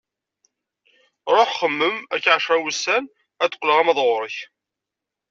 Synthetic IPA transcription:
ɾˤoħχəmːəmækːʕaʃɾˤæwəsːæn | æθə̥qːləʁæmæðˤʁʊɾˤəç

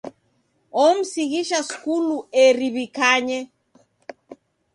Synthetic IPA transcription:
ɔm̩siɣiʃaskuluɛɾiβikaɲɛ

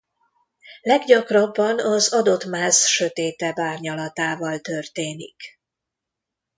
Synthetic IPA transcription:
lɛɡɟɒkrɒbːɒnɒzɒd̪o̞t̪maːzʃø̞t̪eːt̪ɛbaːrɲɒlɒt̪aːvɒlt̪ørt̪eːnḭk

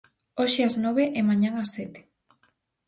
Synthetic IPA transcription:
oʃeaznoβ̞eʔɪmaɲaŋasːɛt̪e̥

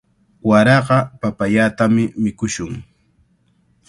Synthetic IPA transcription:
waɾɑɢɑpapaʎaːt̪amɪmɪkʊʃʊŋ

